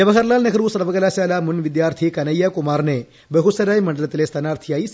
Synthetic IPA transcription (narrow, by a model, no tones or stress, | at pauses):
ɐʋɐɦɐɾlaːlnɐkɐɾuːsɐɾʋɐɡɐlaːsaːlaːmunʋid̪jaːɾt̪ʰikɐnɐjːakumaːɾne | beɦusɐɾaːjmɐɳɖɐlɐt̪lest̪ʰɐnaːɾt̪ʰijaːis